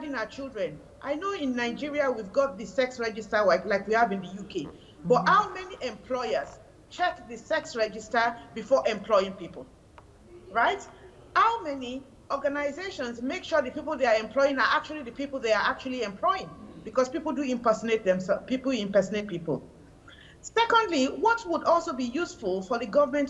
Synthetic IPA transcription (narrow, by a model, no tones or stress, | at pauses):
adɪ̃ŋaʊət͡ʃilˠdɹɛ̃n | ʔaɪnoʊɪ̃nːaɪd͡ʒiɹiawivɡɔt̚ðɨsɛksɹɛd͡ʒɪstəlaɪklaɪkwihavɨ̃nðɨjukʰe | bʌthaʊmɛniʔɛ̃mpʰl̥ɔɪəz̥ | t͡ʃʰɛkðɨsɛksɹɛd͡ʒɪstəbifɔʔɛ̃mpʰlɔɪĩŋpipəl̩ˠ | ɹaɪt | haʊmɛni | ɔɡanaɪzeʃɔ̃nzmekʃɔðɨpipəl̩ˠðeaɛ̃mpʰl̥ɔɪɪ̃ŋaʔak̚t͡ʃuəlˠiðɨpipl̩ˠðeaʔak̚t͡ʃuliɛ̃mpʰl̥ɔɪɪ̃ŋbikɔspipl̩ˠduɪ̃mpɜ˞sənet̚ðɛ̃msɛpipl̩ˠĩmpɜsnet̚pipə̰l̩ˠ | sɛkɔ̃ndliwɔtwudɔlˠsobijusfulˠfɔðɨɡʌvəmɛ̃nt